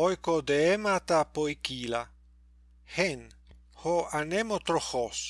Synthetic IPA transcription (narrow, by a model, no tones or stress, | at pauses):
ojkod̪eemat̪apojkila | hen | hoanemot̪ɾoxos